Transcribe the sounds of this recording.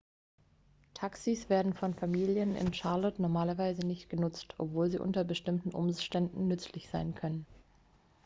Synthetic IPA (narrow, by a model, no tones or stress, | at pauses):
tʰaksisv̥eːɐdn̩fɔnfamiːljənɪ̰nʃaɐlɔtnɔɐmaːlɐvaɪzənɪçtɡ̥ənʊt͡stʰʔɔ̰pv̥oːlziːʔʊ̰ntɐbəʃtɪmtn̩ʔʊ̰mʃtɛndn̩nʏt͡slɪçz̥aɪnkʰœnən